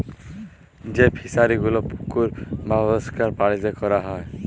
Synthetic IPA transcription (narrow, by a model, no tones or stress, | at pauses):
d͡ʒepʰisaɾiɡulopu̥kuɾbabɔskaɾpaɽizekɔɾaɦɔe